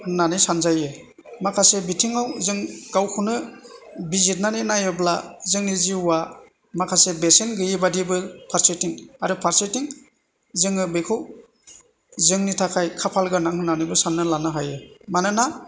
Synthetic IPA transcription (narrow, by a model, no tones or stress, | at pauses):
nanisanzajɯ | makʰasebitʰiŋawzɯŋɡawkʰunɯbizit̚naninajɯblazɯŋniziuwa | makʰasebesenɡɯjebadibɯpʰaɾsetiŋaɾɯpʰaɾsetiŋ | zɯŋɯbejkʰɯw | zɯŋnitʰakʰajkʰapʰalɡanaŋhɯnanibɯsanːɯlanɯɦajɯmanɯna